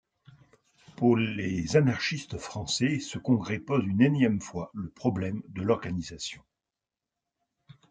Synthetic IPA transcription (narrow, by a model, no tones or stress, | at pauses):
puʁlezanaʁʃist̪fχɑ̃sɛsəkɔ̃ɡʁɛpɔzynenjɛmfwaləpχɔblɛmd̪əlɔʁɡanizasjɔ̃